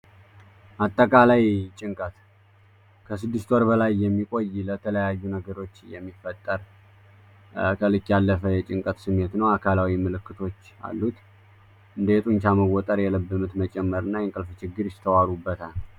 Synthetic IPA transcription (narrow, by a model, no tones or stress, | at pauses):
ʔat̪ʼːəkʼalajt͡ʃʼɪŋkʼət̪ | kʰəsɨd̪ːɨst̪wɔɾbəlajːɛmːikʼo̞jlət̪ʰələjajːunəɡəɾo̞t͡ʃːjɛmːifːət̪ʼːəɾ | kʰəlɨkːjalːəfəjɛt͡ʃʼɪŋkʼət̪sɨmːe̞t̪nəwakʰalawimɨlɨkːɨt̪ʰo̞t͡ʃːa̰lːut̪ | ʔɨnd̪əjɛt̪ʼuɲt͡ʃaməɡot̪ʼəɾjɛləbːɨmut̪mət͡ʃʼɛmːəɾɨnːajɛŋkʼəlft͡ʃɪɡːɨɾjɪst̪ʰəwaɾubːət̪ʰal